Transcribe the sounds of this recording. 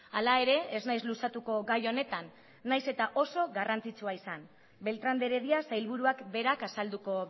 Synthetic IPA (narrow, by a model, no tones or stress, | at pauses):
alae̞ɾe̞eznajzlusat̪uko̞ɣajo̞ne̞t̪anː | ajse̞t̪aʔo̞so̞ɣarant͡sit͡suaisan | be̞lt̪ɾand̪e̞ɾe̞ðiasajlβuɾuakbe̞ɾakasald̪uko̞